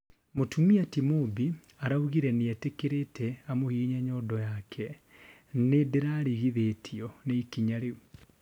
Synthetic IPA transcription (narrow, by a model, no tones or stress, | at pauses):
motumiatimobi | aɾauɣiɾɛneɛtekeɾetʰɛamohiːɲaɲɔdɔjakʰɛ | nedeɾaɾiɣiðetʰiɔneikiɲaɾeu